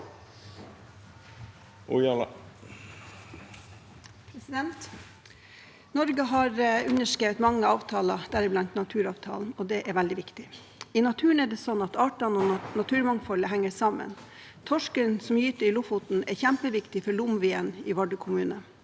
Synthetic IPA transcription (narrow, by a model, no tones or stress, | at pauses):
ʊjɑl | pʰɾɛsɪd̪ɛnt̪ | nɔɾɡəɦɑɾʉnəʂkeːʋət̪mɑŋːəɑːʋt̪ʰɑːlɑd̪̥æɾɪblɑnt̪nɑt̪ʰʉːɾɑːʋt̪ʰɑ̰ːln̩ɔd̪ɛːʔɛʋæld̪ɪʋɪkt̪ɪ | iːnɑt̪ʰʉːəɳ̩ɛɖɛsɔnːɑt̪ɑːʈɑnɔnɑt̪ʰʉːɾmɑŋfɑləɦæŋːəsɑmə̰n | t̪ʰɔʂkənsɔmjyːt̪əɾɪlʊfʊt̪n̩ɛçæmpəʋɪkt̪ɪfɔɭʊmʋɪːəniːʋɑɖəkʰʊmʉːnə